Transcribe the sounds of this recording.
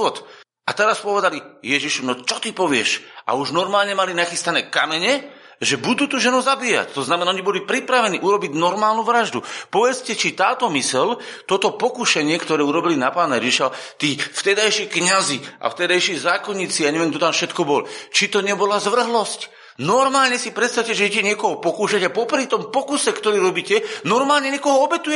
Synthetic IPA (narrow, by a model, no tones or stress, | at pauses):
ɔt̪ | at̪ɛɾaspɔʋɛd̪alijɛʒiʃunɔt͡ʃɔt̪ipɔʋɪɛʃʔa̰uʒnɔɾmaːlɲɛmalinaxist̪anɛːkamɛɲɛ | ʒɛbud̪uːt̪uʒɛnuzabiːja̰ct̪ɔznamɛnaɔɲibɔlipɾipɾaʋɛniʔuɾɔbiɟnɔɾmaːlnuʋɾaʒd̪upɔʋɛt͡scɛt͡ʃit̪aːt̪ɔmisɛl | t̪ɔt̪ɔpɔkuʃɛɲɪɛkt̪ɔɾɛːuɾɔbilinapaːnaɛʒiʃat̪iːft̪ɛd̪ajʃikɲaziʔa̰ft̪ɛd̪ajʃiːzaːkɔɲiːt͡siaɲɛʋiɛmɡd̪ɔt̪amfʃɛt̪kɔbɔlɔt͡ʃit̪ɔɲɛbɔlazʋr̩ɦlɔsc | nɔɾmaːlɲɛsipɾɛt̪st̪awcɛʒɛɛcɛɲɪɛkɔɦɔpɔkuːʃaɟapɔpɾit̪ɔmpɔkusɛkt̪ɔɾiːɾɔbiːcɛnɔɾmaːlɲɛɲɪɛkɔɦɔɔbɛt̪ujɛ